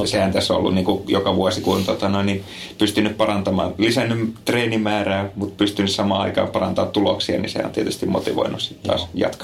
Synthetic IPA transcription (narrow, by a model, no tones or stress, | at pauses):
sehænt̪æsːoo̰lːṵnniːŋkujokɑʋuɑsikuont̪ot̪ɑnoini | pyst̪ynːyppɑrɑnt̪ɑmɑ̰ːnlisænːymt̪reːnimæːræːmut̪pyst̪ynyssɑmɑːɑ̰ikɑ̰ːmpɑrɑ̰nt̪ɑ̰ːt̪t̪uloksiɑ̰nḭsehæ̰o̰nt̪ieˑæt̪yst̪imot̪iʋo̰inˑussit̪ːɑ̰ːsjɑ̰t̪kɑ